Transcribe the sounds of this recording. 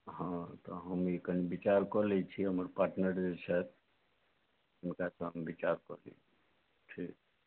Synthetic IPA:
ɦãt̪ɔɦəmekənibit͡ʃaɾkɔlɛt͡ʃʰiɦəməɾpaɾʈnəɾd͡ʒet͡ʃʰɛt̪̚ | ʊnkasə̃ɦəmbit͡ʃaɾkɔ̰lḭ | t͡ʃʰi

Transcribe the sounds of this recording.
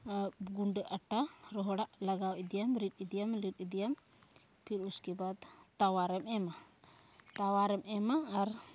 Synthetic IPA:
ɡuɳɖəʔaʈaɾɔɦɔɽaʔlaɡawid̪ijamɾit̪̚ˀid̪ijamliʈid̪ijam | pʰiɾuskɛbad̪t̪awaɾɛmɛma | t̪awaɾɛmɛmaːɾ

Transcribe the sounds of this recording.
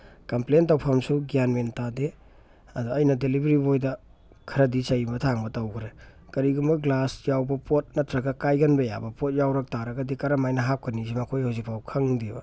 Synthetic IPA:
kɐmplentawpʰamsuɡianmentade | ɐduɐjnɐdelibɾibojdɐ | kʰɐɾɐdisɐjbɐtʰaŋbɐtɐwkʰɾekɐɾiɡumbɐɡlasjawbɐpʰot̚nɐtʰɾɐɡɐkajɡɐnbɐja̰bɐpot̚jawɾɐk̚taɾɐɡɐdikɐɾɐmajnɐɦap̚kʰɐnizimɐkʰojhawzik̚pʰawkʰɐŋdebɐ

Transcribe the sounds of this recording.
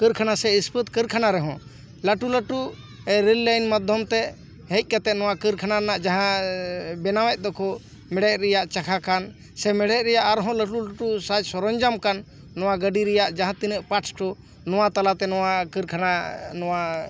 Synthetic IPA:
kəɾkʰanasɛispət̪̚kəɾkʰanaɾɛɦɔ̃ | ləʈuləʈu | ɛɾillajnmad̪ʱjɔmt̪ɛ | ɦɛc̚ˀkat̪ɛʔ̚nɔwakəɾkʰanaɾɛnaʔd͡ʒaɦãbɛnawɛc̚ˀd̪ɔkʰɔ | mɛɽɛt̚ɾɛjaʔt͡ʃakʰakan | sɛmɛɽɛɾɛjaʔaɾɦɔ̃ləʈuləʈusad͡ʒsɔɾɔɲd͡ʒamkanː | ɔwaɡəɖiɾɛjaʔd͡ʒaɦãt̪inəʔpaʈsʈɔ | nɔwat̪alat̪ɛnɔwakəɾkʰananɔwa

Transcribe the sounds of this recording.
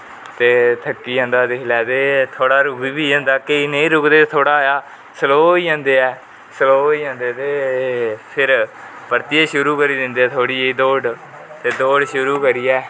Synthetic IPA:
t̪eːt̪ʰəkːiːãːnd̪aːd̪ɪkʰlɛːt̪eːt̪ʰoːɽaːɾʊkbiːbiːɛ̃ːnd̪aːkeinẽːɾʊkd̪eːt̪ʰoːɽaːjaː | səloːiːãːnd̪eːɛː | səloːiːãːnd̪eːt̪eː | pʰɪɾ | pəɾt̪ijeːʃʊɾuːkəɾiːd̪ɪnd̪iːɛːt̪ʰoːɽiːiːd̪oːɖ | t̪eːd̪oːɖʃʊɾuːkəɾiːɛː

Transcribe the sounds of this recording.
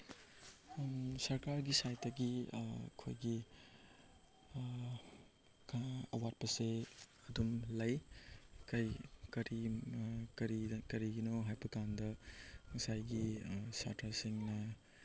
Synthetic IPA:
sɐɾkaɾɡisajtɐɡikʰo̰jɡi | kʰaɐ̰wat̚pɐse | ɐdumlɐjkɐjkɐɾi | kɐɾikɐɾiɡinoɦajpɐkandɐmɐsajɡisa̰tʰasiŋnɐ

